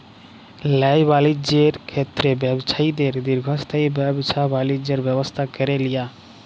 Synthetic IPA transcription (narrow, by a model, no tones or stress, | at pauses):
lɛjbalid͡ʒeɾkʰet̪ːɾebɛbsʰaid̪eɾd̪iɾɡʱɔst̪ʰajbɛbsʰabalid͡ʑd͡ʒeɾbɛbost̪ʰakeɾelija